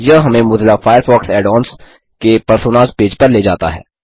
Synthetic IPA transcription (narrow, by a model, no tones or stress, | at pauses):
jɐɦɦɐmẽmʊd̪lafaːjəɾfɔːksɛːɖɔːns | kepɐɾsoːnaːzpeːd͡ʒpɐɾleːd͡ʒaːt̪a̰ɦɛ̰ː